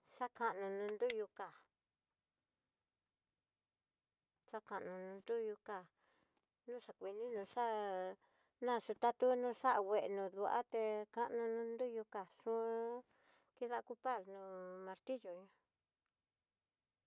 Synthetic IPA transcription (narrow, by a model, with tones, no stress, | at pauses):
ʂa˦ka˧˨ʔnũ˧nũ˧nd̪u˦ju˧ka˨ | ʂa˦ka˨ʔnũ˧nũ˧nd̪u˦ju˧ka˧ | nũ˦ʂa˧kʷi˧nĩ˦nũ˧ʂa˦ | nã˦˨ʂu˧t̪a˦t̪u˦nũː˦˧ʂa˦ʔa˧˨we˨ʔnũ˧˨ðu˧ʔa̰˦t̪e˧ka˧ʔnũ˧nũ˧˦nd̪u˦ju˧ka˨ʂũ˦ | ki˦ða˦˧ku˦pa˦˨ɾnũ˧mã˧ɾt̪i˦ʒo˨ɲũ˧˦